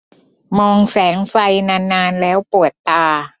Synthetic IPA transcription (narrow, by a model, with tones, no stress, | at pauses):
mɔː˧ŋsɛː˩˦ŋfa˧jnaː˧nːaː˧nlɛː˦˥wpu˨˩ət̪ːaː˧